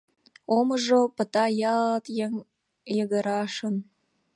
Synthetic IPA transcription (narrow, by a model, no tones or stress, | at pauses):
oməʒopə̆t̪ɑjɑlt̪jeŋ | jəɣə̆ɾɑʃən